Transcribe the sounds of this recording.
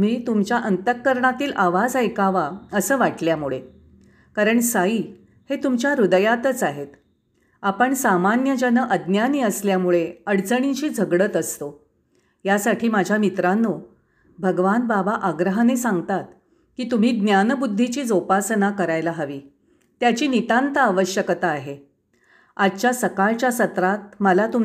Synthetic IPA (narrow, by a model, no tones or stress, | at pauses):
m̤iːt̪umt͡ɕjaʔənt̪əkːəɾɳat̪iːlʔaʋad͡zajkaʋaəsəːʋaʈljamuɭe | kaɾəɳsaiː | het̪umt͡ɕjaɾud̪əjat̪ət͡saɦet̪ | apəɳsamanjəd͡ʑənəʔəd̪njaniəsljamuɭeəɽt͡səɳ̃it͡ɕiːd͡zʱəɡɽət̪əst̪o | jasaʈʰiːmad͡ʑʱjamit̪ɾanːo | bʱəɡʋanbabaʔaɡɾəɦanesãŋɡt̪at̪̚ | kiːt̪um̤iːɡ̪njanbud̪ʱːit͡ɕiːd͡zopasənakəɾajlaɦəʋiː | t̪jat͡ɕiːnit̪ãnt̪aːʋəɕjəkt̪aːɦe | ad̪t͡ɕjasəkaɭt͡ɕjasət̪ɾat̪̚məlat̪um